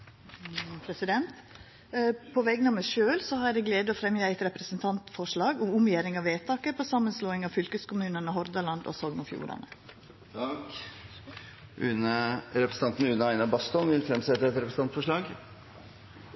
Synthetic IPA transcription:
pʰɾɛsɪd̪ɛnt̪ | pʰɔʋɛɡənɑmæʂøːlsɔhɑɾɾɛɪɡleːd̪əɔfɾɛmjəæɪt̪ɾɛpɾəsənt̪ʰɑnt̪fɔʂɭɑːɡʊmʊmjeːɾɪŋɑʋeːt̪ʰɑːkəɾpʰɔsɑmːənsloːɪŋɑʋfʏlkəskʊmʉːnənəɦɔɾd̪ɑlɑnd̪ɔ̰sɔːɡnʊfjṵːɾɑ̰nə | k | ʔʉ̰nəɾɛpɾəsn̩ɑnt̪n̩ʉnəæɪnɑbɑst̪ɔnʋɪlfɾɛmsɛtt̪ːəɛt̪ɾɛpɾəs̩n̩ɑnfɔʂɭɑːɡ

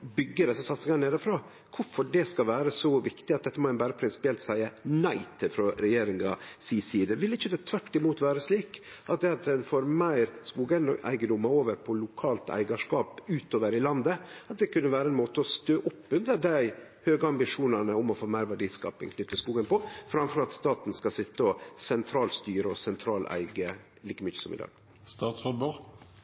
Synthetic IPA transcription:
bʏɡːəɖ̪ɛsːəsɑt̪sɪŋɑneːd̪əfɾɑː | kʰʊfɔɖɛskɑʋæːɾəsɔʋɪkt̪ɪɑt̪̚d̪ɛt̪ːəmɔɛnbæːɾəpʰɾɪnsɪ̥pɪɛlt̪sæɪənæɪt̪ʰɪfɾɔɾɛjeːɾɪŋɑ̰siːsiːd̪əʋɪlɪçːəd̪ɛt̪ʰʋæʈːɪmuːt̪ʋæːɾəsliːk | ʔɑt̪̚d̪ɛːɑt̪̚d̪ɛnfoːɾmæɪɾskuːɡənɔ̰æ̰ɪɡəd̪ʊmːɑoːʋəɾpʰɔlʊkʰɑːlt̪æ̰ɪɡɑʂkɑːpʉːt̪oːʋəɾɪlɑnd̪əɑt̪̚d̪ɛkʉnːəʋæːɾəɛnmoːt̪əɔst̪øːʔʊpːʉnd̪əɖæɪhøːɡəɑmbɪʂuːnənəʊmɔfoːmæɪɾʋæɖiːskɑ̰ːpɪ̰ŋkʰnʏt̪ːəskuːɡənpɔfɾɑmfɔɾɑt̪st̪ɑːt̪nskɑsɪt̪ːəɔsɛnt̪ʰɾɑːlst̪yːɾəɔsɛnt̪ʰɾɑːlʔæ̰ɪɡə | liːkəmʏçəsɔmɪ̰d̪ɑ̰ːɡ̥ | st̪ɑːt̪sfɔbʉ

